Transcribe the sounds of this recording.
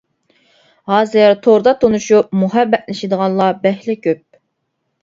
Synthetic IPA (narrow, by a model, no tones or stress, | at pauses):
hɑːzɨɾt̪ʰoɾd̪ɑt̪ʰonuʃup̚muɦɛbːɛʔ̪lɪʃɪd̪əʁɑnlˠɑbɛhlɪkʲʰøp̚